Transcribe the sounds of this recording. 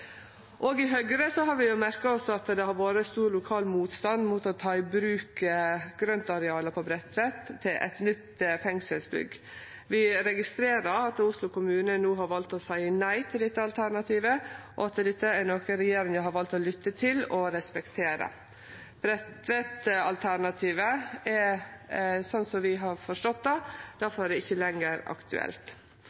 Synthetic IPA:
ʔoːɡɪɦœɡɾəsɔɦɑɾʋɪjʊmæɾkɑɔsːɔɑt̪d̪ɛhɑɾʋoːɾəst̪uːɾlʊkʰɑːlmuːt̪st̪ɑnmuːt̪ɔt̪ʰɑːɪbɾʉːkəɡ̥ɾœnt̪ɑɾɛɑːləpʰɔbɾɛt̪ʋɛt̪ʰːɪlʔɛ̰t̪nʏt̪fɛŋsəlsbʏ̰ɡ | ʋɪɾɛɡɪst̪ɾeːɾɑɾɑt̪ʊslʊkʊmʉːnənuːɦɑɾʋɑlt̪ɔsæɪənæɪt̪ʰɪld̪ɪt̪ːəɑlt̪ʰæɾnɑt̪ʰiːʋəʔɔ̰ɑt̪əd̪ɪt̪ːəænoːkəɾɛjeːɾɪŋjæhɑɾʋɑlt̪ɔlʏt̪ːət̪ʰɪlɔɾɛspɛkt̪ʰeːɾə̰ | b̥ɾɛt̪ʋɛt̪ɑlt̪ʰæɾnɑt̪ʰiːʋəɛɾ | sɔnːsɔʋɪɦɑɾfɔʂʈɔt̪̚d̪ɑd̪̥æɾfɔɾæɾd̪ɛɪçːəlɛŋəɾɑ̰kt̪ʰʉ̰ɛ̰lt̪

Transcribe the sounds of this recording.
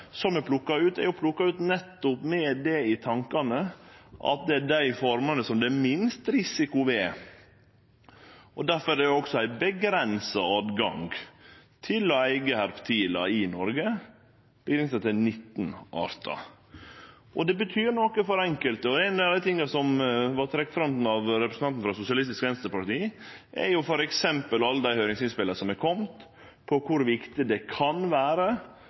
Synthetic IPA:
sɔmɛpʰlʊkːɑʉːt̪ɛ̰ɾjʊpʰlʊkːɑʉːt̪nɛt̪ːʊpmɛd̪ɛɪt̪ʰɑŋkɑnəʔɑ̰t̪̚d̪ɛæɖæɪfɔɾmɑnəsɔmd̪ɛmɪnst̪ɾɪsɪkʊʋɛ | ɔd̪æɾfɔɾɛjʊɔksɔæɪbəɡɾɛnsɑɑːd̪ɡɑ̰ŋɡt̪ʰɪlɔæɪɡəhæɾpt̪ʰiːlɑ̰ɪnɔɾɡə | b̥əɡɾɛnsət̪ʰɪnɪt̪ːn̩ʔɑ̰ɾt̪ʰɑ̰ | ʔɔd̪ɛbət̪ʰyːɾɳɔkəfɔɾɛŋkəlt̪əɔæɪnd̪d̪æɪt̪ʰɪŋːɑsɔmʋɑɾt̪ʰɾɛkt̪fɾɑmn̩ɑʋɾɛpɾəsn̩ɑnt̪n̩fɾɑsʊsɪɑlɪst̪ɪskʋɛnst̪ɾəɾpɑɾt̪iː | ʔɛɾjʊfɔɾɛksɛmpəlɑlːəd̪æɪhœʏɾɪŋsɪnspɪlːəsɔmɛɾkʰɔmt̪ | pʰɔkʰʊɾʋɪkt̪ɪd̪ɛkʰɑnʋæːɾə

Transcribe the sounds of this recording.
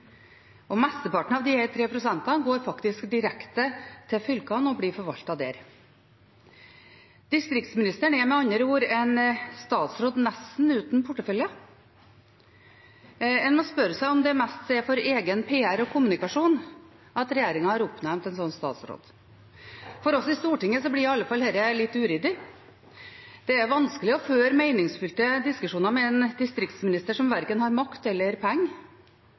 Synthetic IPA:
ɔmɛst̪əpɑʈɳ̩ɑːʋd̪ɪhæt̪ʰɾeːpʰɾʊsænt̪ɑɡoːɾfɑkt̪ɪskd̪ɪɾɛkt̪ət̪ʰɪfʏlkɑnɔbliːfɔɾʋɑlt̪ɑd̪ḛːɾ | d̪̥ɪst̪ɾɪk̚t̪smɪnɪst̪əɳɛmɛɑɲəɾuːɾɛnst̪ɑːt̪sɾoːd̪nɛsn̩ʉːt̪n̩pʰʊʈːəfœljɑ | ɛnmɔspœɾsæɪɔmd̪ɛmɛst̪seːfɔɾeːɡənpʰeːæɾɔkʰʊmʉnɪkɑʂuːn | ʔɑt̪ɾɛjeːɾɪŋɑhɑɾʊpnæɾmt̪ɛnsɔnːst̪ɑ̰ːt̪sɾo̰ːd̪ | fɔɾɔsɪst̪uːʈɪŋːəsɔblɪɑlːəfɑlhɛɾəlɪt̪ːʉːɾʏd̪ɪ | d̪̥ɛæɾʋɑnskəlɪɔføːɾmeɪnɪŋsfʉlt̪əd̪ɪskʉʂuːnɑɾmɛɛnd̪ɪst̪ɾɪkt̪smɪnɪst̪əʂɔmʋæɾkənhɑɾmɑkt̪ɛlːəɾpʰɛŋː

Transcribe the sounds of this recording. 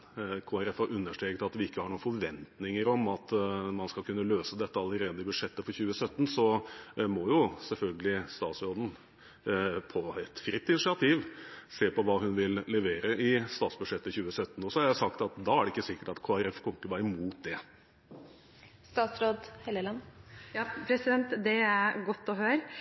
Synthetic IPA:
kʰoːæɾɛfhɑɾʉnːəʂʈɾeːkət̪ɑt̪ʋɪɪkːəhɑɳuːfɔɾʋɛnt̪nɪŋəɾɔmɑt̪mɑnskɑkʰʉnːəløːsəd̪ɛt̪ːəɑləɾeːd̪əɪbʉʂɛt̪ːəfɔɾçʉːəsœt̪ːnsɔmɔjʊsɛlfœlɡəlɪst̪ɑːt̪sɾoːd̪n̩ | pʰɔɛt̪fɾɪt̪ːɪnɪsɪɑt̪ʰiːʋseːpɔʋɑːɦʉnʋɪlːɛʋeːɾəʔɪst̪ɑːt̪sbʉ̥ʂɛt̪ːəçʉːəsœt̪ːn̩ɔsɔhɑɾjæsɑkt̪ɑt̪d̪ɑæɖɛɪkːəsɪkːə̥ʈɑt̪kʰoːæɾɛfkʰɔŋkəbɑɾɪmuːt̪̚d̪ɛ | st̪ɑːt̪sɾoːd̪hɛləlɑnjɑːpʰɾɛsɪd̪ɛnt̪d̪ɛæɾɡɔt̪ːɔɦøːɾ

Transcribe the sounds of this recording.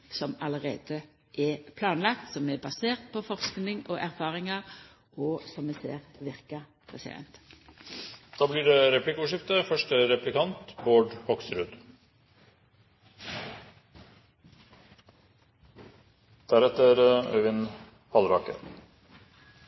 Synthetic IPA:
sɔmɑləʁḛːd̪ə | ʔɛpʰlɑːnlɑkt̪sɔmɛbɑseːʁt̪̚pʰɔfɔʁsknɪŋoʔæʁfɑːʁɪŋɑ | ɔsɔmɛsḛːʁʋɪʁkə | pʰʁɛsɪ̰d̪ɛ̰nt̪ | d̪̥ɑːbliːɖɛɾɛpʰlɪkʊʂ̬ɪft̪əfœʂʈəɾɛplɪkʰɑnt̪boːɖhɔksɾʉd̪ | d̪̥æɾɛt̪əɾœ̰ʋɪn | hʰɑlɾɑːkə̰ɾ

